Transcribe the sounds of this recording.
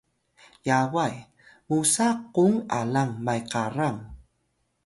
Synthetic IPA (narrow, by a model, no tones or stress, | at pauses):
jawaj | mʊsaqoŋa̰laŋmajqɑɾaŋ